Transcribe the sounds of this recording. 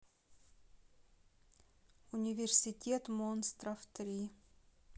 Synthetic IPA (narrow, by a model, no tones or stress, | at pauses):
ʊnʲɪvʲɪrsʲɪtʲet̪monst̪ɾəft̪ɾʲi